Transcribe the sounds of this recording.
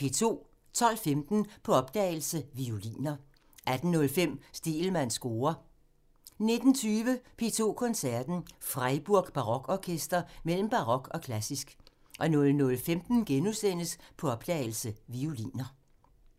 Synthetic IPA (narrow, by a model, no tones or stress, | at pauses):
pʰe̝t͡sʰo̝̰ː | t͡sʰɒ̽l̰femd̥n̩pʰɒ̽ɒ̽b̥̚d̥ɛːɪl̩səʋiolḭːnɐ | ʔæd̥n̩ːɔ̽lfem̰sd̥e̝ːlmæn̰sɡ̥o̝ːɐ | ne̝d̥n̩t͡sʰyːʋəpʰe̝ːt͡sʰo̝̰ːkʰɒ̽nsæɐd̥n̩fʁaɪb̥uɐ̰ɡ̥b̥ɑ̈ʁɒ̽ɡ̥ɒkʰesd̥ɐmel̰m̩b̥ɑ̈ʁɒ̽ɡ̥ɒ̽kʰlæsisɡ̥ | ʔɒ̽nɔ̽lnɔ̽lfemd̥n̩ɡ̥enusen̰əspʰɒ̽ɒ̽b̥d̥ɛ̰ːɪl̩səʋiulḭːnɐ